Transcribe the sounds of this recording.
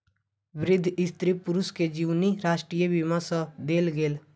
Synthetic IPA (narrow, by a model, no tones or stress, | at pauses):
ʋɪɾɪd̪ʱːɪst̪ɾipʊɾʊsked͡ʒiːwniɾaːʃʈɾijəʋɪmãsəd̪eːlɡeːl